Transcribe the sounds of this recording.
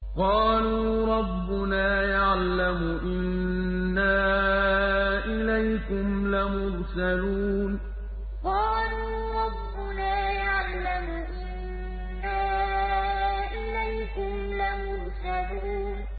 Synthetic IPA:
qɑːluːɾˤɑbːʊnaːjaʕlamʊʔɪnnː | aː | ʔɪlajkʊmlamʊɾsaluːn | qɑːluː | ɾˤɑbːʊnaːjaʕlamʊʔɪnː | aː | ʔɪlajkʊmlamʊɾsaluː | n

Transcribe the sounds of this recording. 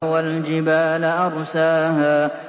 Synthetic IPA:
wald͡ʒɪbaːlʔɑɾˤsaːhaː

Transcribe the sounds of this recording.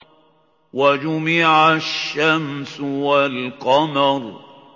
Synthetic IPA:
wad͡ʒʊmɪʕaʃːamsʊwalqɑmɑɾˤ

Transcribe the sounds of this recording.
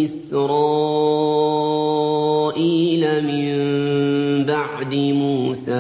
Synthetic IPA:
ʔɪsɾˤɑː | ʔiːlamɪm | baʕd̪ɪmuːsaː

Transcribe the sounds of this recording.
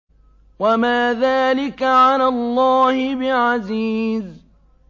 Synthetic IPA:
wamaːðaːlɪkaʕalalˤːɑːhɪbɪʕaziːz

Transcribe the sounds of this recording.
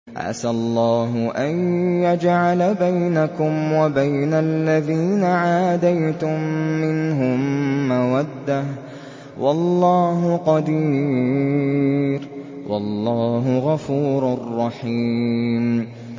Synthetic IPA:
ʔa̰salˤːɑːɦʊʔanjad͡ʒʕalabajnakʊmwabajnalːaðiːnaʕaːd̪ajt̪ʊmːɪnɦʊmːawad̪ːah | wʔɑlːɑːɦʊqɑd̪iː | ɾ | wʔɑ̰lːɑːɦʊɣafuːɾarːɑħiːm

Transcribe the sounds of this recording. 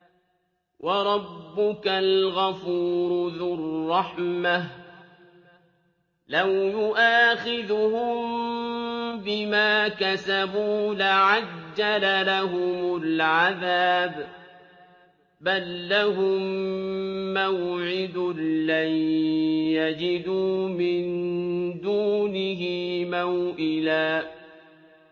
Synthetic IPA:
wʔɑɾˤɑbːʊkalɣafuːɾðʊrːɑħma | lawjʊʔaːxɪðʊhʊm | bɪmaːkasabuːlaʕad͡ʒːalalaɦʊmʊlʕaðaːb | balːaɦʊmː | awʕɪd̪ʊla | jad͡ʒɪd̪uːmɪnd̪uːnɪɦɪmawʔɪlaː

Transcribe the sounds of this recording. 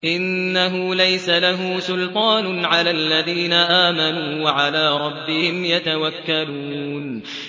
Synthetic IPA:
ʔɪnːaɦʊːlajsalaɦʊsʊlt̪ˤɑːnʊʕalaːlːaðiːnaʔaːmanuːwaʕalaːɾˤɑbːɪhɪmjat̪awakːaluːn

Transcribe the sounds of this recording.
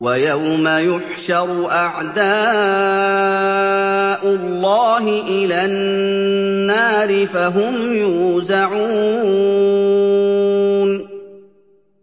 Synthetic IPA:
wajawmajʊħʃɑɾˤʔaʕd̪aː | ʔʊlːɑːɦɪʔɪlaːnː | aːɾɪfaɦʊmjuːzaʕuː | n

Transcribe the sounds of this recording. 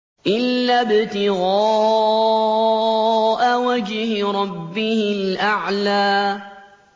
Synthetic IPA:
ʔɪlːaːbɪt̪ɪɣɑː | ʔawad͡ʒhɪɾˤɑbːɪhɪlʔaʕlaː

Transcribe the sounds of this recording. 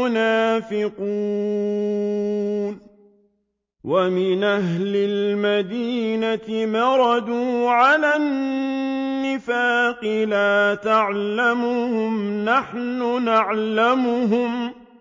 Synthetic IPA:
ʊnaːfɪquː | n | wʔamɪnʔaɦlɪlmad̪iːnat̪ɪmɑɾˤɑd̪uːʕalanː | ɪfaːqɪlaːt̪aʕlamʊhʊmnaħnʊnaʕlamʊɦʊm

